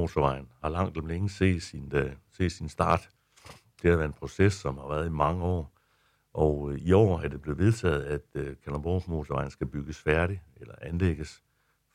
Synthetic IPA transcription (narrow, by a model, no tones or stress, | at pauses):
o̝t͡sʰoʋɑ̈ɪn̩hɑ̈lɑ̈ŋ̰d̥lmleŋəse̝̰̥ːsinse̝̰̥ːsinsd̥ɑ̰̈ːd̥ | d̥e̝æʋæɐenpʰʁo̝sesɒ̽mhɑ̈ʋæɐð̩ˠimɑ̈ŋəɒ̰ː | ʔɒiɒ̰ːæɐd̥e̝b̥le̝ð̩ˠʋe̝ð̞ˠt͡sʰɛ̰ːð̞̩ˠæd̥kʰælɐmb̥ɒ̰ːmo̝t͡sʰoʋɑ̈ɪn̩sɡ̥æb̥yɡ̥əsfæɐɾielɐʔænleɡ̥əs